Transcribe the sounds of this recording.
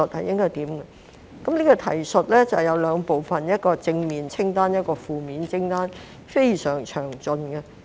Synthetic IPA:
ə˨t̚hɐ̰˨jʔɪ˥ŋkɔː˥jt̪iː˨˥mɡɛ˧ | kɐ˨˥mniː˥kɔ˧t̪ʰɐ˨˩jsɵ˨t̚lɛː˥t͡sɐ˨wjɐ˨˧wlœː˨˧ŋpo˨wfɐ˨njɐ˥t̚kɔː˧t͡sɪ˧ŋmiː˨nt͡sʰɪ˥ŋt̪aː˥njɐ˥t̚kɔː˧fuː˨˧miː˨˧nt͡sʰɪ˥ŋt̪aː˥n | fe˥jsœː˨˩ŋt͡ʃʰœː˨˩ŋt͡sɵ˨˧nɡɛ˧

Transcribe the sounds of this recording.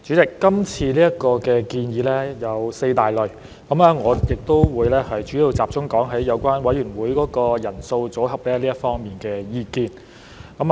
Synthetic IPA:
t͡ʃyː˨˥t͡sɪ˨kːɐ˥mt͡sʰiː˧liː˥jɐ˥t̚kɔː˧kɛː˧kiː˧njiː˨˧˥lɛː˥jɐ˨˧wse˧jt̪aː˨˩jlɵ˨˩ɥ | kɐ˨˥maː˧ŋɔː˨˧jɪ˨k̚t̪o˥wwuː˨˧jlɛː˥hɐ˨jt͡ʃyː˨˥ji˧wt͡saː˨p̚t͡sʊ˥ŋkɔː˨˥ŋɦɐ˨˥jːɐ˨˧wkʷaː˥nwɐ˨˥jyː˨˩nwuː˨˥jkɔː˨˥kɔː˧jɐ˨˩nso˧wt͡so˨˥ɦɐ˨p̚lɛː˥liː˥jɐ˥tfɔː˥ŋmiː˨nkɛː˧jiː˧kiː˧n | kɐ˨˥m

